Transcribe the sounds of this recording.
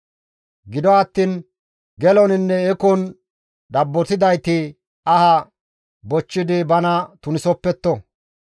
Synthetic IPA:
ɡɪd̪ɔɐt̪ːiːn | ɡɛlɔnɪnːɛɛkɔn | d̪ɐbːɔt̪ɪd̪ɐjt̪ɪ | ɐhɐ | bɔt͡ʃːɪd̪ɪbɐnɐt̪ʊnɪsɔpːɛt̪ːɔ

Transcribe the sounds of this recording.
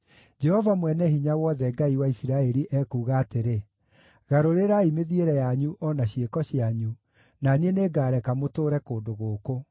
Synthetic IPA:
d͡ʒɛhɔvamwɛnɛɦiɲawɔðɛɡaiwaisiɾaɛɾiʔɛkuːɣaːteɾe | ɣaɾoɾeɾaimeðieɾɛjaɲuʔɔnaɕjekɔɕiaɲu | nanieneɡaːɾɛkamotoːɾɛkoːndoɣoːko

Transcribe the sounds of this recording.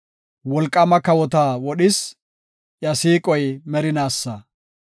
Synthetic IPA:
wɔlkʼːɐmɐkɐwɔt̪aːwɔɗɪs | jɐsiːkʼɔjmɛɾɪnaːsːɐ

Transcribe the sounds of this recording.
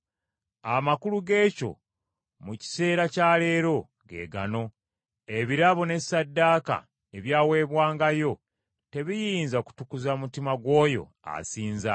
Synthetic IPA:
amakuluɡe̞ːco̞̰ | muci̥se̞ːɾacaːle̞ːɾo̞ | ɡe̞̰ːɡa̰no̞ | e̞βiɾaβo̞ne̞sadːaːka̰ | e̞βjaːwe̞ːβwaːŋɡajo̞ | te̞βijiːnzaku̥tukuzamutimaɡwo̞ːjo̞̰ | a̰siːnza̰

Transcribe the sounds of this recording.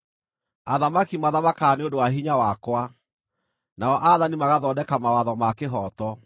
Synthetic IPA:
aðamakimaðamakaːneondowaɦiɲawakwa | naɔʔaðanimaɣaðɔdɛkamawaðɔmakeɦɔtɔ

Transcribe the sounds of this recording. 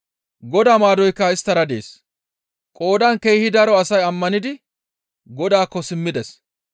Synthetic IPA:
ɡɔd̪aːmaːd̪ɔjkːɐɪst̪ːɐɾɐd̪ḛːs | kʼo̞ːd̪ɐŋkejhɪd̪ɐɾɔɐsɐjɐmːɐnɪd̪ɪ | ɡɔd̪aːkːɔsɪmːɪd̪ɛs

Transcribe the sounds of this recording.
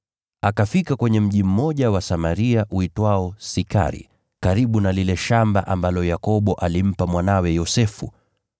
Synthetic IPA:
akafikakwɛɲɛm̩ʄim̩mɔʄawasamaɾiaʔuitwaɔsika̰ɾḭ | kaɾiɓunalilɛʃamba̰ʔambalɔjakɔɓɔʔalim̩pamwanawɛjɔsɛfu

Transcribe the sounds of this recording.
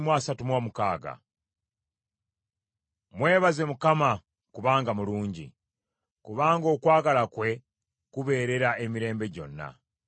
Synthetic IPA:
mwasatumwoːmukaːɡa̰ | mwe̞ːβaze̞mukama | kuβaːŋɡamuluːɲɟḭ | kuβaːŋɡo̞ːkwaːɡalakwe̞ | kuβe̞ːɾe̞ɾaemiɾe̞ːmbe̞ɟo̞̰nːa̰

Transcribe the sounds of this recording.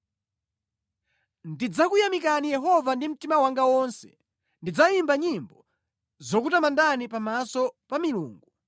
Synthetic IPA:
ndid͡zakujamikanijɛɦɔvandim̩timawaŋɡawɔnsɛ̥̰ | ndid͡zaimbaɲimbɔ | zɔkutamandanipamasɔpamilṵːŋɡu

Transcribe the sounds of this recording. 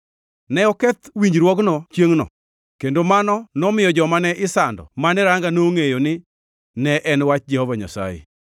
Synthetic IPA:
nɛɔkɛt̪wiɲɾwɔknɔt͡ʃjeŋnɔ̰ | kendomanɔnɔmɪjɔd͡ʒɔmanɛʔɪsandɔ̰manɛɾaŋɡanoŋejonɪ | nɛʔɛnwat͡ʃd͡ʒɛhɔvaɲa̰sa̰jḛ

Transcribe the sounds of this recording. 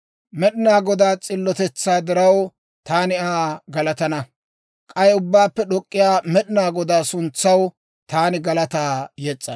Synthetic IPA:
mɛɗɪnaːɡɔd̪aːt͡sʼɪlːɔt̪ɛt͡sːaːd̪ɪɾɐw | t̪aːnɪaːɡɐlɐt̪ɐnɐ | kʼɐjɛʊbːaːpːɛɗɔkʼːɪjaːmɛɗɪnaːɡɔd̪aːsʊnt͡sːɐw | t̪aːnɪɡɐlɐt̪aːjɛt͡sʼːɐ

